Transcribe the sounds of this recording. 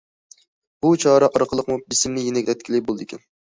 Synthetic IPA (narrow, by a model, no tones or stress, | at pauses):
b̥ut͡ʃʰɑːɾɛʔɑɾəqʰəlˠəqmubɪsɪmnɪjenɛkʲɛt̪̚kʲʰilɪk̚ʲbolˠd̪ɪkʲɛn